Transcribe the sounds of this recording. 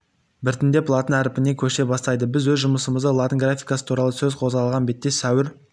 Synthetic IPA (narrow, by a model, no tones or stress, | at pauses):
bɪɾt̪ɪnd̪e̞pʰlˠɑt̪ənæɾɪpɪne̞kʲʰɵʃe̞bɑst̪ɑjd̪əbɪzwɵzʒʊməsəməzd̪əlˠɑt̪əŋɡrafʲijkasə̥t̪ʰuɾɑlˠəsɵzqʰo̞zʁɑlˠʁɑnbe̞t̪ːe̞sæwɪɾ